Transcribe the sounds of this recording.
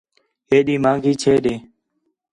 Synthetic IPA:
eːɗiːmãːŋɡʱiːt͡ʃʰeːɗeː

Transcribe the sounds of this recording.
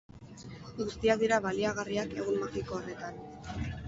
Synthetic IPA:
ɡust̪iaðiɾaβaliaɣ̞ariake̞ɣ̞unmaxikoore̞t̪an

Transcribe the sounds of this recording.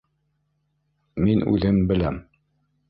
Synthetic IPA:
minʉ̰ðɘmbɘ̆læm

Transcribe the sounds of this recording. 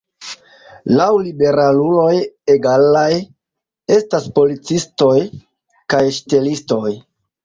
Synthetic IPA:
lawlibe̞ɾalulo̞jeɡalaj | e̞staspo̞lit͡sisto̞j | kajʃte̞listo̞j

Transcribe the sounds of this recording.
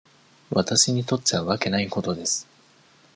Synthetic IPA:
βat̪aɕiɲ̟it̪o̞t̪ːeβaβake̞naiko̞t̪o̞d̪e̞sɨ̥

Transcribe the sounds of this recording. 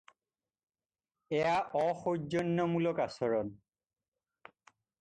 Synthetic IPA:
ɛjaʔɔxozɔnːɔmulɔkasɔɹɔn

